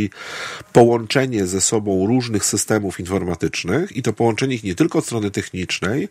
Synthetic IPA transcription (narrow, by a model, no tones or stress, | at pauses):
ipɔwɔnt͡ʂɛɲɛzɛsɔbɔ̃w̃ɾuʐnɘxsɘst̪ɛmufinfɔɾmat̪ɘt͡ʂnɘxit̪ɔpɔwɔnt͡ʂɛɲɛixɲɛt̪ɘlkɔt̪st̪ɾɔnɘt̪ɛxɲit͡ʂnɛj